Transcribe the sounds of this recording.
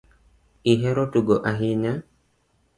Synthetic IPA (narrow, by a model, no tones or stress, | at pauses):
iɦɛɾotuɡoʔaɦiɲa